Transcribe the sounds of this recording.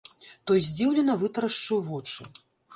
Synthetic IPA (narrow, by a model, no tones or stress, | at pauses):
t̪ɔjzʲd͡zʲiwlʲɛnɐvɨt̪ɐɾɐʂt͡ʂɐwvɔt͡ʂɨ